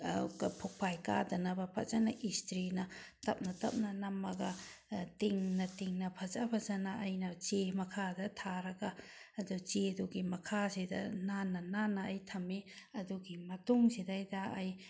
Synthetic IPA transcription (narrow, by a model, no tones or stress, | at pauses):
ɡpʰuk̚pʰajka̰dɐnɐbɐpʰɐ̰t͡ʃɐnɐʔistɾinɐtɐp̚nɐtɐp̚nɐnɐmɐɡɐtiŋnɐtiŋnɐpʰɐzapʰɐzɐnɐːjnɐt͡ʃemɐkʰadɐtʰaɾɐɡaːdut͡ʃeduɡimɐkʰasidɐ̰nanːɐnanːɐːjtʰɐmeɐduɡimɐtuŋsidajdɐːj